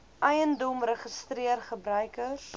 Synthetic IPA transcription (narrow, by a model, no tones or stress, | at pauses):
ʔɐjəndɔmrəχəstriərχəbɾœɥkəs